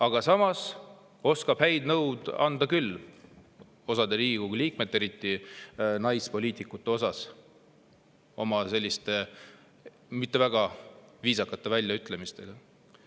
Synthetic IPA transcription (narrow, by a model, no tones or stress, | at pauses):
ɑɡ̥ɑsɑmɑs | o̞skɑb̥hæjd̪nɤwd̪̥ɑ̰nd̪̥ɑkyl | o̞sɑd̪eɾiːɡikuɡliːk̚me̞t̪ːˑe̞ɾit̪ːˑinɑjspo̞lʲiːt̪ˑikːˑut̪ːˑe̞o̞sɑs | o̞mɑse̞lʲːist̪e̞ | mit̪ːe̞væɡ̥ɑviːsɑkːˑɑt̪ːˑe̞vælʲjɑyt̪ːˑle̞mist̪e̞ɡ̥ɑ